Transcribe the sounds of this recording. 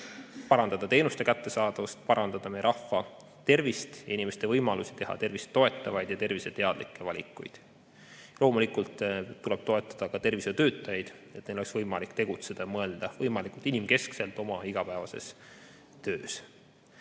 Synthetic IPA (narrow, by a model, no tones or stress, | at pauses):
pɑɾɑnd̪̥ɑd̪̥ɑt̪e̞ːnust̪e̞kæt̪ːe̞sɑːd̪̥ɑvɑst̪̚pɑɾɑnd̪ɑd̪̥ɑmejɾʔɑhfːɑ | t̪e̞rvist̪jɑinʲimest̪e̞vɤjmɑlusi̥t̪e̞ɦɑ̰t̪e̞rvise̥t̪ːo̞et̪ˑːɑvɑjd̪̥jɑt̪e̞rvise̞t̪e̞ɑd̪̥likːˑe̞vɑlʲḭkːˑṵjd̪̥ | lo̞ːmulikˑult̪ːule̞b̥t̪o̞e̞t̪ːˑɑd̪̥ɑkɑt̪e̞rviset̪ø̞ːt̪ːˑɑjɑjd̪̥ | e̞t̪nejlo̞lksvɤjmɑlikˑt̪e̞ɡ̥ut̪se̞d̪̥ɑjɑmɤe̞ld̪̥ɑvɤjmɑlikˑult̪inimke̞skse̞lt̪ˑo̞mɑiɡ̥ɑpæevɑse̞̰s | t̪øːs